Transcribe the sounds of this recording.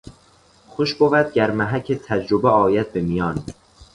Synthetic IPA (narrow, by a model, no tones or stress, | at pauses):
xoʃbovæd̪̚ɟæɾmæɦæcʰet̪ʰæd͡ʒɾobeɒːjæd̪̚bemijɒːn